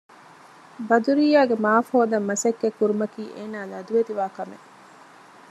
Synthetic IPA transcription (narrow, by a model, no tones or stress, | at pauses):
bɐd̪uɾiːaːɡemaːfoːd̪ɐmːɐsɐkːekːuɾumɐkiːʔeːnaːlɐd̪uʋet̪iʋaːkɐmḛ